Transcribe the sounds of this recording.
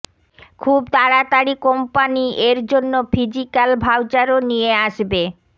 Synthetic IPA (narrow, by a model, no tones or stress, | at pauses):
kʰubt̪aɾat̪aɾikompanieɾd͡ʑonːofʰid͡ʑikalbʱawt͡ɕaɾonijeaʃbe